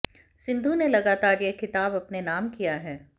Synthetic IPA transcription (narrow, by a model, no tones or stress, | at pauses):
sɪ̃nd̪ʱunelɐɡaːt̪aːɾjekɪt̪aːbɐpnenaːmkijaɦɛː